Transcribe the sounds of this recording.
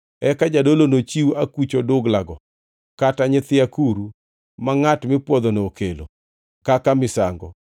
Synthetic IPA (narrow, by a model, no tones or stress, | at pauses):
ɛkad͡ʒadolonot͡ʃiwakwut͡ʃodʊɡlaɡɔ | kataɲɪt̪ɪakuɾu | maŋatmɪpwɔd̪onookelo̰ | kakamɪsaŋɡɔ̰